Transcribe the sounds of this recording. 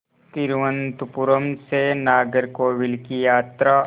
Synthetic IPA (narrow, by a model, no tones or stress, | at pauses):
t̪ɪɾʋə̃nt̪upʊɾəmsenaːɡəɾkoʋɪlkijaːt̪ɾa